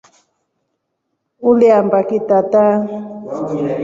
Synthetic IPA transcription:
uliambakit̪at̪a

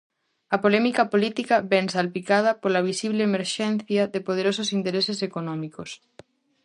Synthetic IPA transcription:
ɐpolɛmikɐpolit̪ikɐβɛŋsalpikað̞ɐpolɐβ̞isiβleemeɾʃɛn̟θjɐðepoð̞eɾososint̪eɾesesekonɔ̃mikos

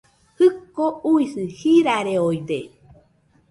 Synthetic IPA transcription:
hɨkːouisɨhiɾaɾeojd̪e

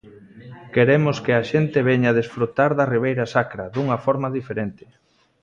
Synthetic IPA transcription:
keɾemʊskɪaʃent̪ɪβɛɲaðesfɾut̪aɾðɐriβ̞ejɾasakɾɐðuŋɐfɔɾmaðifeɾent̪ɪ̥

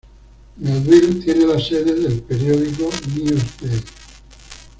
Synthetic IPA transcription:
maðilt̪jenelaseðeðelpeɾjoðikoniost̪e

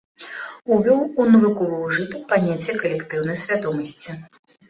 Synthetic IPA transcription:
uvʲɔwunɐvɨkɔvɐwʐɨt̪ɐkpanʲat͡sʲːɛkɐlʲɛkt̪ɨwnɐjsʲvʲad̪ɔmɐsʲt͡sʲi

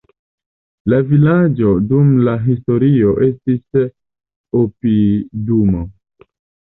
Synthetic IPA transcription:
lavilad͡ʒo̞dumlaɦisto̞ɾio̞ʔe̞stis | opidumo

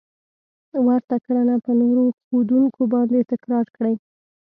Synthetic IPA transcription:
waɾt̪akɽanapənoɾoxod̪uŋkobɑnd̪et̪ɪkɾɑɾkɽaj

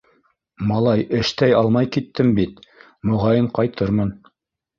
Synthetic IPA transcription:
mɑlˠɑjɘ̆ʃt̪æjɑlˠmɑjkit̪ːɘmbit̪ | mŏʁɑjɤɴqɑjt̪ʰɤɾmɤn

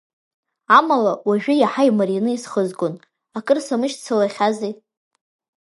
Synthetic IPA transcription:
amalawaʒᶣʊjaħajmarjanɨisχəzkʼʊn | akʼɨrsamɨʃt͡sʰalaχʲazi

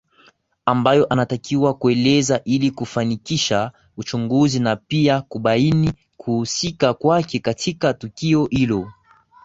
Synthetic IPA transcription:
ambajɔʔanatakʰiwakuɛlɛzaʔilikufanikiʃa | ut͡ʃuŋɡuzinapiakuɓaini | kʰuhusikakwakɛkatʰikatukiɔhilɔ

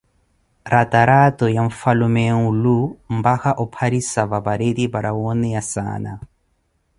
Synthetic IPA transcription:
ɾʔat̪aɾat̪ɔjaɱfalumɛŋulum̩baxaʔɔpʰaɾisavabaɾed̪ibaɾawɔnɛjasa̰ːna̰

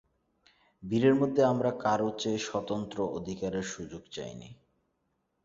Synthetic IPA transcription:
biɾeɾmod̪ʱːeamɾakaɾot͡ɕeʃɔt̪ont̪ɾoʔod̪ʱikaɾeɾʃud͡ʑoɡt͡ɕa̰jnḭ

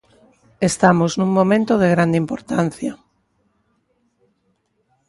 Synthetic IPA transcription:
est̪amoznũŋmõmẽnt̪oð̞eɣɾand̪impoɾt̪an̟θjɐ

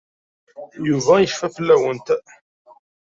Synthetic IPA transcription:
juvæjəfːæfəlːæwənt̪

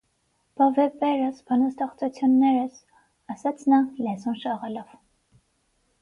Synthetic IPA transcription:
pɔvɛpɛɾəsbɑnəst̪ɛχt͡sut͡sʰjunːɛɾəs | ɑsɑt͡sʰnɑlɛzɔnʃɑʁɛlɔv̥

